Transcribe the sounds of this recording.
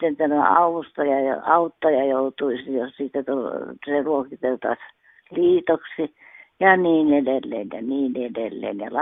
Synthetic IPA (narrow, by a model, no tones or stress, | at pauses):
t̪ːenit̪ːænoɑ̰ust̪ojɑjo̰ɑut̪ːojɑjout̪uisijossiːt̪ːæt̪ulseruokit̪elt̪ɑ̰s | liːt̪oksi | jɑniːnedelːḛːnjɑ̰niːnedelːḛːnjɑ̰lɑ